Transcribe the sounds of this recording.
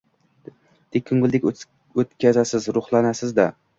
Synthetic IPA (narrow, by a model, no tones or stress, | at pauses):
d̪̥ekʲʰːɵŋɡɪlˠd̪ɪkʲ | ɵt̪kʲʰazasɪzɾʊχlˠanasɪzd̪a